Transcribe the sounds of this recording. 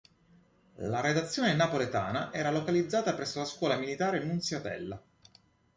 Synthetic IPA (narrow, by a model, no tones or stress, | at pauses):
laɾed̪at̪sːjoːnenapolet̪a̰ːnaʔɛːɾalokalid̪zːaːt̪apɾɛsːolaskwɔːlamilit̪aːɾenːunsjat̪ɛ̰lːa